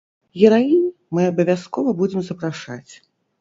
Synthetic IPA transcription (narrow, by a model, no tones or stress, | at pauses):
ɣʲɛɾainʲ | mɨɐbɐvʲaskɔvɐbud͡zʲɛmzɐpɾaʂa̰t͡sʲ